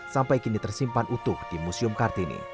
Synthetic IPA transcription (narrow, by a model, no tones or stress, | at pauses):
sampaikinit̪ərsimpanʔut̪ʊhd̪̥imusiʊmkard̪̥inḛ